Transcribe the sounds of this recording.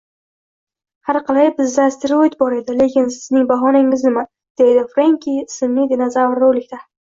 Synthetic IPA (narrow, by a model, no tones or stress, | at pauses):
haɾqɑlajbɪzːast̪eɾojt̪̚bɒɾe̞d̪ɪle̞kʲʰɪnsɪznɪŋbaɦɒnɪŋɪznɪma | d̪̥e̞jd̪ɪfɾeŋkʰʲisɪmnɪd̪ɪnazavɾowlɪkʲt̪a